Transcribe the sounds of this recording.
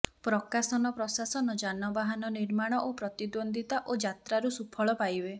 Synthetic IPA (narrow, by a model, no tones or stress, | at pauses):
pɾɔkasɔnɔpɾɔsasɔnɔd͡ʒanɔbaɦanɔniɾmaɽ̃ɔʔopɾɔt̪id̪ond̪ʱit̪aʔod͡ʒat̪ɾaɾusupʰɔɭɔpajbe